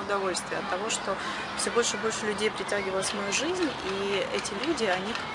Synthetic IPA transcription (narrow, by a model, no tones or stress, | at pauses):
ʊd̪ɐvo̞lʲst̪vʲɪəɐt̪ːɐvo̞ʂt̪o̞ | fsʲobo̞lʲʂɨbo̞lʲʂɨlʲʉdʲejpɾʲɪtʲæɡʲɪvəlˠəsʲmɐjuʐɨzʲnʲiɛtʲɪlʲudʲɪɐnʲik